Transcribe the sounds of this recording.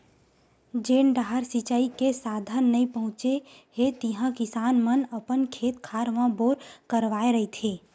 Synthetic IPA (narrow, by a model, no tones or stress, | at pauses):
d͡ʒeːnɖaɦəɾsit͡ʃaːikesaːd̪ʱənːəĩpəɦʊ̃t͡ʃeɦet̪iɦãkɪsaːnmənəpənkʰeːt̪kʰaːɾʋãboːɾkəɾʋaːeɾəɦit̪ʰeː